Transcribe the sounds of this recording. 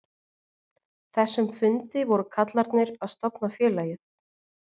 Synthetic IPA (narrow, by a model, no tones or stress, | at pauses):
θɛsːʏmfʏnt̪ɪvɔɾʏkʰat̪laɾt̪nɪɾaðst̪ɔpnafjɛːlaːjɪð